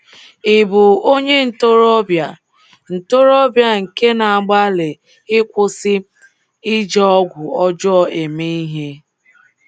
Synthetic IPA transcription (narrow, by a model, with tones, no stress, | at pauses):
ɪ˨bʊ˨o˦ɲe˦n̩˨to˦ɾɔ˦bja˨ | n̩˨to˦ɾɔ˦bja˦ŋ̩˨ke˦na˨a˨ɡ͡ba˦lɪ˨ | ɪ˦kʷʊ˦sɪ˦ | ɪ˦d͡ʒe˦ɔ˦ɡʷʊ˨ɔ˦d͡ʒɔ˦ɔ˨e˨me˦i˦ɦe˦